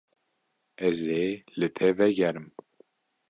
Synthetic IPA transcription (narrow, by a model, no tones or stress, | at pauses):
ɛzeːlɨt̪ʰɛvɛɡɛɾɨm